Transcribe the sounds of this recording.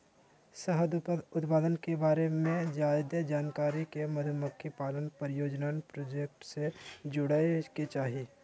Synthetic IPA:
sɐɦəd̪ʊt̪paːd̪ənkebaːɾemẽd͡ʒaːjd̪ed͡ʒaːnkaːɾikemɐd̪ʱməkʰːipaːlənpəɾɪjoːd͡ʒnaːnpɾoːd͡ʒek̚ʈsed͡ʒʊɽaeket͡ʃaːɦieː

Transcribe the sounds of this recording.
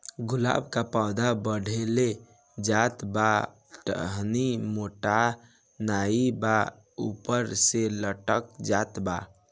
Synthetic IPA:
ɡula̰bkapaʊd̪abəɽʱele | d͡ʒat̪ba | ʈə̰ɦnimoʈa | naiba | upəɾseləʈəkd͡ʒat̪ba

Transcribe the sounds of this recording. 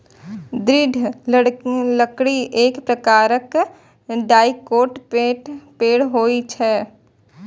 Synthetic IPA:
d̪ɾɪɖʱləɽləkɽiʔeːkpɾəkaːɾək | ɖaːikoːʈpːʈpeːɽɦoːit͡ʃʰɛː

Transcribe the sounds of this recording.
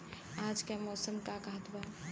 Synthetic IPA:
ad͡ʒkemɔsəmkakəɦət̪ba

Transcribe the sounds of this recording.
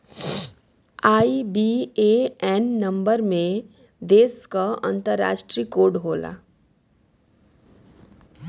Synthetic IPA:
aːibieɛnːɐ̃mbəɾmẽ | d̪eːskaə̰̃nt̪əɾːa̰ːʃʈɾiːkoːɾɖɦoːla̰ː

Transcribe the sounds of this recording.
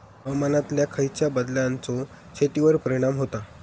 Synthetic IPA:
əmanat̪ljakʰəjt͡ɕjabəd̪ljant͡so | t͡ɕeʈ̪iʋəɾpəɾiɽ̃amɦot̪a

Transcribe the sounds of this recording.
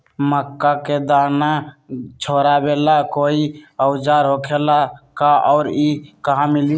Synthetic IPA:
məkːaked̪anat͡ʃʰoɾabelakoiəʊd͡ʒaɾɦokʰelakaɔʊɾikəɦãmili

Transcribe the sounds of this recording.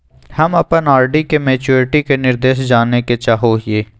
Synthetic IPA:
həməpənaːɾɖikemeːt͡ʃuːɾɪʈikenɪɾd̪eːʃd͡ʒaːneket͡ʃaːɦoːieː

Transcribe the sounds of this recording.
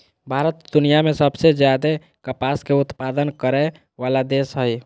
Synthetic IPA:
bʱaɾət̪d̪̥unijamesəbsed͡ʒjad̪e | kəpaskeut̪pad̪ənkəɾɛ | ʋalad̪esɦəj

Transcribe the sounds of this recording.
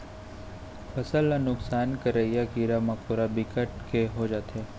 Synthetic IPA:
pʰɐsəlãnʊksaːnkɐɾəjakiɾamakuɾabɪkəʈ̚keɦod͡ʒaːt̪ɦɛː

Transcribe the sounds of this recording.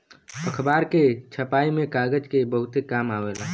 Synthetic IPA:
əkʰbaɾket͡ʃʰəpaimẽkaɡəd͡ʒkebəɦʊt̪ekamawela

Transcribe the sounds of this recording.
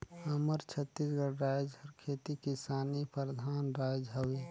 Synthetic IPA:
əməɾt͡ʃʰət̪ːisɡəɽɾaːd͡ʒɾkʰet̪ikisaːnipəɾd̪ʱaːnɾaːd͡ʒɦəwe

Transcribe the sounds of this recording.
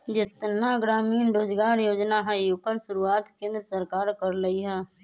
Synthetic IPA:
d͡ʒɪt̪naɡɾaːmiːnɾoːd͡ʒɡaːɾjoːd͡ʒnaɦɛ̃jupəɾʃʊɾuaːt̪kẽːnd̪ɾəsəɾkaːɾkəɾləiɦɛ̃ː

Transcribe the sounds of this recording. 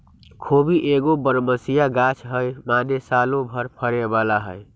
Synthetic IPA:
kʰobiʔeɡobəɾməsijaɡat͡ʃʰɦəjmanesalõbʱəɾpʰəɾebalaɦəj

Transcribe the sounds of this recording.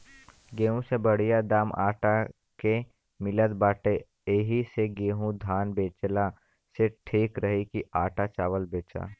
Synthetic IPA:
ɡeːɦũsebəɽ̤ijad̪aːma̰ːʈa | ke | mɪləd̪baːʈe | eːɦiseɡeːɦũd̪ʱaːnbeːt͡ʃla | seʈʰiːkɾəɦikiaːʈat͡ʃaːʋəlbeːt͡ʃa̰ː

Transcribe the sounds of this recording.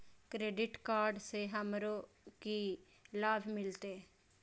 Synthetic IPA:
kɾeːɖɪʈkaːɾɖseɦəmɾo | ki | laːʋʱmɪlt̪e

